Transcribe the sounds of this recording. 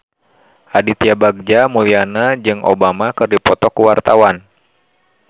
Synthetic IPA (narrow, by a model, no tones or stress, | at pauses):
ʔadit̪iabaɡ̚d͡ʒamulianad͡ʒɨŋʔo̰bamakɨrdipɔt̪ɔkuwart̪awan